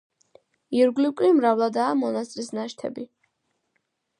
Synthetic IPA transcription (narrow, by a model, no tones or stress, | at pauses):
iɾɡlikʼlimɾavlˠad̪aːmɔnast̪ʼɾisnaʃt̪ʰɛ̰bi